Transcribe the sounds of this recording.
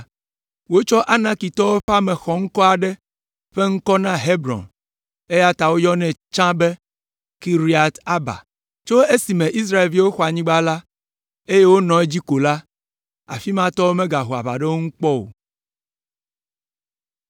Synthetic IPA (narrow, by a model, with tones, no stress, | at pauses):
wo˦t͡ʃɔ˦ʔa˦nã˦ki˨t̪ɔ˦wo˦ɸa˦mɛ̃˨xɔ˨ŋ̩˦kɔ˦a˨ɖɛ˦ | ɸe˦ŋ̩˦kɔ˦nã˦ɦe˦bɾɔ̰̃˨n | e˦ja˦t̪a˨wo˦jɔ˦nɛ̃˨t͡ʃã˦be˦ | ki˦ɾi˦a˨t̪a˦ba̰˨ | t͡ʃo˦e˦si˨mɛ̃˨ʔi˦s̬ɾa˦e˨lvi˦wo˦xɔ˨˦a˨ɲĩ˦ɡ͡ba˦la˦ | e˦je˦wo˦nɔ̃˨e˦d͡ʑi˦ko˨la˦ | a̰˨fi˦mã˦t̪ɔ˦wo˦mɛ̃˦ɡa˨ɦu˨a̰˨ba̰˨ɖɛ˦wo˦ŋ̩˦k͡pɔ˦o̰˨